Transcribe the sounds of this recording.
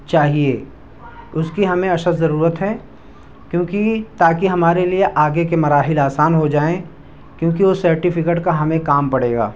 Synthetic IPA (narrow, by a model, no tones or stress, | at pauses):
t͡ʃaːɦieː | ʊskiɦɐmẽɐʃət̪zɐɾuːɾət̪ɦɛ | kjõːkit̪aːkiɦɐmaːɾelieʔaːɡekemɐɾaːɦɪlaːsaːnɦod͡ʒaːẽ | kjõːkiʋosɐɾʈifʰɪkeːʈkaɦɐmẽkaːmpɐɽeːɡa̰ː